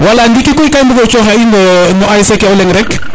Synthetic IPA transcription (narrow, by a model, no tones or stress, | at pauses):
walandikikɔikajmbukɔt͡ʃɔɦainɔnɔajsɛkɛɔlɛŋɾɛk